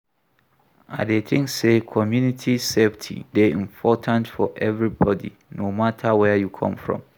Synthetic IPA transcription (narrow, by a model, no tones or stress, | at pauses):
adet̪ʰɪ̃ŋssekʰɔmjũnitʰiseftʰḭdeĩmpʰɔtʰãntfɔʔɛvɹibɔdḭnomatʰawɛjukʰɔ̰̃mfɹɔ̰̃m